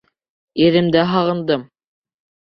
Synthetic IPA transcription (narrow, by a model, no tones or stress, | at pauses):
iɾɘ̆md̪æɦɑʁɤ̆nd̪ɤm